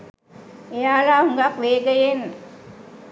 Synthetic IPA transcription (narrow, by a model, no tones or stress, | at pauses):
ejaːlaɦuŋɡakʋeːɡəjenː